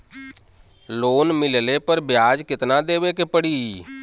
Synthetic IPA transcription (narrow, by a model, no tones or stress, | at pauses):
loːnmɪlleːpəɾbɪjaːd͡ʒkɪt̪naːd̪eːʋeːkeːpəɽiː